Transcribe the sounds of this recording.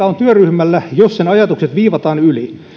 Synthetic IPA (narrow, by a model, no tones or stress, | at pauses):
ɑont̪yøryhmælːæjossenɑjɑt̪ukset̪ʋiːʋɑt̪ɑːnyli